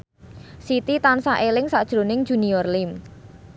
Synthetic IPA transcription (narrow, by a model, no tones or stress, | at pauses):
sit̪it̪ansaʔelɪŋsad̥ʒ̥ɾonɪŋd̥ʒ̥ṳniɔrlɪm